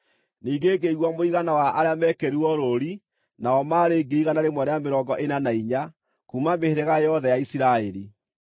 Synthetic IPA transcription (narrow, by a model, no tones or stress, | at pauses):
niːŋɡeɡeiɣwamoiɣanawaʔaɾeamɛkɛɾuɔɾoɾi | naɔmaːɾeːɡiɾiɣanaɾemwɛnajameɾɔːŋɡɔʔenanaiɲa | kuːmameheɾɛɣajɔðɛjaisiɾaeɾi